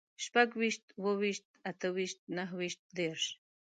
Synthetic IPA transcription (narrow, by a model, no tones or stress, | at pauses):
ʃpakwiʃt̪wowiʃt̪̚at̪ʰəwiʃt̪̚naɦwiʃt̪̚d̪erʃ